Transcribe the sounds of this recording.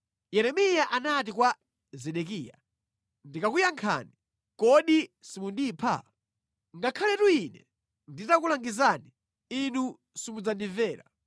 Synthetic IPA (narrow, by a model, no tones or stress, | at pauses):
jɛɾɛmijaʔanat̬ikwa | zɛɗɛk̬iːja̰ | ndikakujaŋkʰa̰ni | kɔɗisimundiːpʰa̰ | ŋɡakʰalɛtuinɛ | nditakulaŋɡizani | inu | simud͡zandivɛːɾa̰